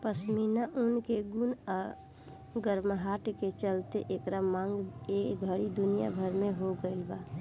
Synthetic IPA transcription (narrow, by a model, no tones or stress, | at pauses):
pəsminaʔunkeɡuna | ɡəɾməɦaʈket͡ʃəlt̪eʔekɾamãŋɡekɡʱəɽid̪unija̰bʱəɾmeɦoɡəɪlba